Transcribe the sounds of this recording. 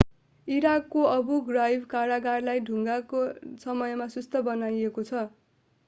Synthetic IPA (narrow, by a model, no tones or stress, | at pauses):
iɾakːoʌbuɡrajbkaɾaɡarlajɖʱuŋɡakosʌmʌjʌmasust̪ʌbʌnajekot͡sʰʌ